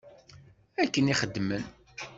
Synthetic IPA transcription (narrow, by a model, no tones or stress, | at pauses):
ækːəniχəd̪ːmən